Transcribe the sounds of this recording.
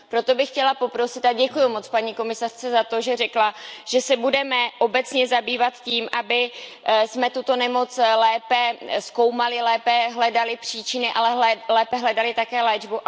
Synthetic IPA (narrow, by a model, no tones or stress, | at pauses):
pɾo̞t̪o̞bɪxcɛlapo̞pɾo̞sɪt̪aɟɛkujumo̞t͡spaɲiːko̞mɪsar̥t͡sɛzat̪o̞ʒɛrɛklaʒ̥ɛsɛbudɛmɛʔo̞bɛt͡sɲɛzabiːvat̪ciːmʔabɪ | smɛt̪ut̪o̞nɛmo̞t͡slɛːpɛsko̞wmalɪlɛːpɛɦlɛdalɪpr̝̥iːt͡ʃɪnɪʔalɛɦɛlɛːpɛɦlɛdalɪt̪akɛːlɛːd͡ʒbu